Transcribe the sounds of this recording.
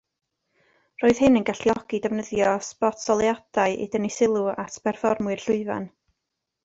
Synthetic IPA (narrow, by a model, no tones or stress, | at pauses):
roːɨð̥hɪnənɡaɬjɔɡ̥idɛvnəðjɔspɔtsɔlˠjad̥aɨʔḭdənisɪlˠuatʰpʰɛrfɔrmwɨr̥ɬʊɨva̰n